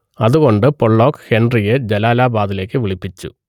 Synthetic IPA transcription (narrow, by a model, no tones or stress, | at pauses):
ɐðuɣo̞ɳɖɨpoɭːo̞ːkːhenɖrijed͡ʑelaːlaːbaːðile̞ːkːɨʋiɭipːit͡ɕːṵ